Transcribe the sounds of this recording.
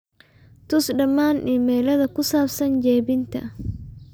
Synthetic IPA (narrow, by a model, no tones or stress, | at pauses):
t̪ʊsɗɐmːaːnʔɪmːɛːlɐðɐkʊsaːfsɐnd͡ʒeːbɪnt̪ɐ̰